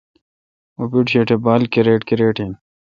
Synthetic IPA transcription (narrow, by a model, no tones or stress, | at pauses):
opiʈɕeʈʰebaːlkeɾeːʈkiɾeːʈin